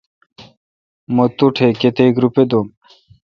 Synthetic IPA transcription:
mot̪uʈʰeket̪eɡɾuped̪om

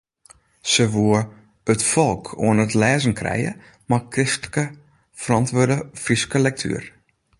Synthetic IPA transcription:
səʋuə | ətfɔlˠkʰo̰ənətlɛːzən̩kʰrɛ̰jə̰ | makkːrɪstəlkə | fərɑntʋødəfriskəlɛk̚tʰy̰ər

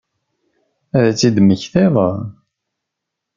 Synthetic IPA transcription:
æðæt͡sːid̪məçθeðˤə

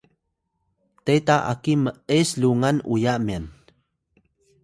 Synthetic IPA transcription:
tetaʔa̰kiməʔesluŋanujamian

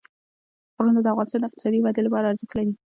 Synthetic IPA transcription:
pɾanad̪əafɣɑnɪst̪ɑnd̪ɪq̚t̪ɪ̥sɑd̪iwad̪elapɑɾaːɾzəklaɾi

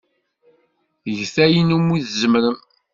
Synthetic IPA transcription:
ʝθæjinumːiðzəməɾəm

